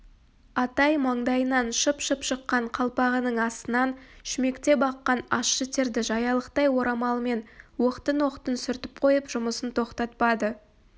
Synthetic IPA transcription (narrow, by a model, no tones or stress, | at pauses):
ɑt̪ɑjmɑɴd̪ɑjənɑnʃəpʃəpʃəqːɑɴqʰɑlˠpɑʁənəɴɑst̪ənɑnʃɪme̞kt̪e̞bɑqːɑnɑʃːət̪ʰeɾd̪ɪʒɑjɑlˠəqt̪ɑjwo̞ɾɑmɑlˠəme̞nwoqt̪ənwo̞qt̪ənsʏɾt̪ɪ̥p̚qʰo̞jəpʒ̥ʊməsənt̪ʰo̞qt̪ɑt̪̚pɑd̪ə